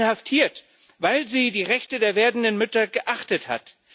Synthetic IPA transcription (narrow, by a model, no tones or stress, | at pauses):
haftʰiːɐt | vaɪlziːdiːʁɛçtədeːɐveːɐdn̩dənmʏtɐɡəʔaχtətha̰t